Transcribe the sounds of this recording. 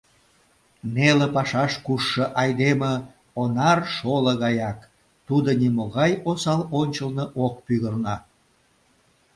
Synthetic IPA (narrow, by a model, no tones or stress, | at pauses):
nelepɑʃɑʃkuʃːə̆ʔɑjd̪emə | onɑrʃoləɣɑjɑk | t̪ud̪onimoɣɑjosɑlonʲt͡ɕəlnəʔokpyɣərnɑ